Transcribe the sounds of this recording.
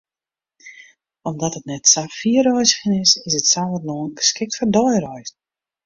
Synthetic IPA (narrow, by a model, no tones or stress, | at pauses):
ɔmdɔtət̚nɛtsaffiəɾɔjzəxənɪsɪsətsavətnoənɡəskɪk̚tfɔrdɔjrɔjz